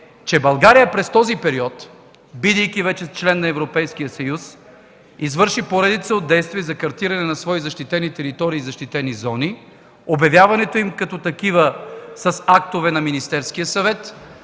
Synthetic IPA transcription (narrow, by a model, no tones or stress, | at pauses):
t͡ʃɛbɐlˠɡaɾijəpɾɛst̪ɔzipɛɾiɔt̪ | bid̪əjkivɛt͡ʃɛt͡ʃlɛnːɐɛvɾopɛjsk̟ijəsɐjus | izvɤɾʃipoɾɛd̪it̪səod̪ːɛjst̪viɛzɐkɐɾt̪iɾɐnɛnɐsvɔizɐʃt̪it̪ɛnit̪ɛɾit̪ɔɾiːzɐʃt̪it̪ɛnizɔni | objɐvjavɐnɛt̪oimkɐt̪ɔt̪ɐkivəsɐsak̚t̪ovɛnɐminist̪ɛɾskijəsɐvɛt̪